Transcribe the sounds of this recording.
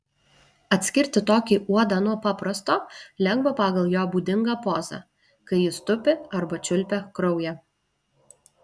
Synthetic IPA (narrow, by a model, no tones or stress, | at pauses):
ɐt̪ʲsʲkʲɪɾʲt̪ʲɪt̪oːkʲiʔuɔd̪ɑːnuɔpɑːpɾɐst̪oːlʲɛŋɡbɐpɑːɡɐlˠjoːbuːd̪ʲɪŋɡɑːpoːzɑ̰ | kɐɪjɪst̪ʊpʲɪɐɾbɐt͡ʃʲʊlʲpʲɛkɾɔʊjɛ